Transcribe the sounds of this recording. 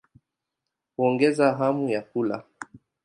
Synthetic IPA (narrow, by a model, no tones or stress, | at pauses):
huɔŋɡɛzaɦamujakula̰